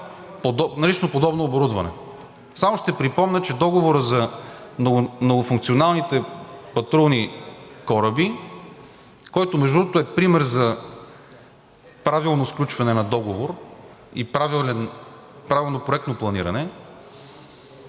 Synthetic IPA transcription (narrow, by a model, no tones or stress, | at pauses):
pod̪ɔnɐlit͡ʃnopod̪ɔbnoːboɾud̪vɐnɛ̰ | samoʃt̪ɛpɾipɔmnʲət͡ʃɛd̪ɔɡovoɾəzɐomnoɡʊfuŋk̚t̪sionalˠnit̪ɛpɐt̪ɾulnikɔɾəbi | kɔjt̪omɛʒd̪ɾuɾd̪ot̪oɛpɾimɛɾzɐ | pɾavilˠnosklʲut͡ʃvɐnɛnɐd̪ɔɡovoɾ | ḭpɾavɛn | pɾavilˠnopɾoɛkt̪noplˠɐnḭɾɐnɛ